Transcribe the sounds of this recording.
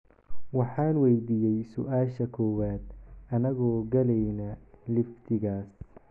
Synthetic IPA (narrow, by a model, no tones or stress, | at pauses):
wɑħɑːnwɛjd̪iːjɛjsʊʔaːʃɐkʰɔwaːd̪̚ɐnɐɣɔːɡɐlɛjnɐlɪft̪ʰɪɣaːs